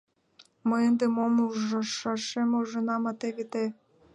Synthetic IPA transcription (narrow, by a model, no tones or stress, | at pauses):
məənd̪emomuʒɤ̆ʃɑʃemuʒɤ̆nɑmɑt̪eβet̪e